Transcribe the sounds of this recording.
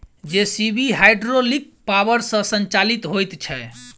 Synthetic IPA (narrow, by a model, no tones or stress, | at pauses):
d͡ʒesibʱiɦajɖɾolik̚ | pawəɾsə̃sənt͡ʃalit̪ɦojt̪t͡ʃʰɛ